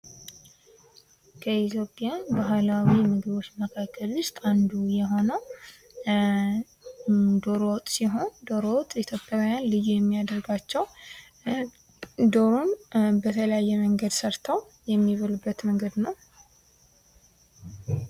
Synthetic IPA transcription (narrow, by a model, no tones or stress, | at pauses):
kʰəit̪ʰjo̞pʼjabaɦlawimɨɡɨβo̞t͡ʃːməkʰakʰːəlːɨst̪ʼand̪ujɛɦo̞nəw | d̪o̞ɾowt̪ʼsiɦo̞nd̪o̞ɾowt̪ʼit̪ʰjopʼːjawjanlɨjujɛmːijad̪əɾɡat͡ʃːɛw | d̪o̞ɾunbət̪ʰələjajːɛməŋɡəd̪səɾt̪ʰəw | jɛmːiβəlɨbːət̪məŋɡəd̪nəw